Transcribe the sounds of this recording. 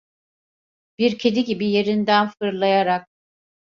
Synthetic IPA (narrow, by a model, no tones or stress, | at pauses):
b̥iɾcʰed̪iɟibije̞ɾind̪ænfɯɾlˠajaɾak̚